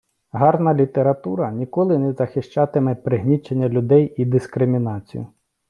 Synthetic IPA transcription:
ɦɑrnɐlʲit̪eɾɐt̪uɾɐnʲikɔlˠɪnɛzɐxɪʃt͡ʃɑt̪ɪmɛpɾɪɦnʲit͡ʃenʲːɐlʲʊd̪ɛjid̪iskɾɪmʲinɑt͡sʲḭjʊ̰

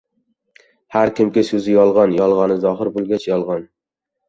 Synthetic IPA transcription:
haɾkʲʰɪmkʲɪsɵzɪjɒlˠʁɑnjɒlˠʁɑnɪzɒɦɪɾbolˠɡʲat͡ʃʰjɒlˠʁɑn

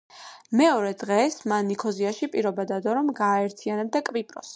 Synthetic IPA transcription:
mɛɔɾɛd̪ʁɛsmanːikʰɔziaʃipʼiɾɔbad̪ad̪ɔɾɔmɡaːɛɾt̪ʰianɛb̚d̪akʼvipʼɾɔ̰s

